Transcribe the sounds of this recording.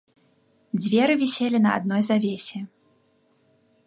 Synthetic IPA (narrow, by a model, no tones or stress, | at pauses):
d͡zʲvʲɛɾɨvʲisʲelʲinɐa̰d̪̚nɔjzavʲesʲɛ